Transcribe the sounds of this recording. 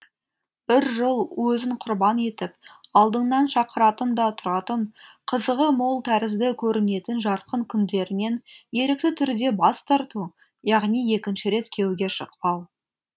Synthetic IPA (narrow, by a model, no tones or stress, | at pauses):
b̥ɪɾʒəlˠwɵzɪɴqʰʊɾbɑne̞t̪ɪp̚ɑlˠd̪əɴnɑnʃɑqəɾɑt̪ənd̪ɑt̪ʰʊɾɑt̪əɴqʰəzəʁəmolˠt̪ʰæɾɪzd̪ɪkʲʰɵɾɪne̞t̪ɪnʒɑɾqəŋkʲʰʏnd̪e̞ɾɪne̞nje̞ɾɪk̚t̪ɪt̪ʰʏɾd̪e̞bɑst̪ʰɑɾt̪u | jɑʁnije̞kʲɪnʃɪɾe̞t̪kʲʰe̞wɡʲe̞ʃəqpɑw